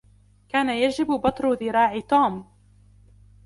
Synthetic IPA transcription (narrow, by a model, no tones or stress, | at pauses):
kaːnajad͡ʒɪbbɑt̪ˤɾʊðɪɾɑːʕɪt̪uːm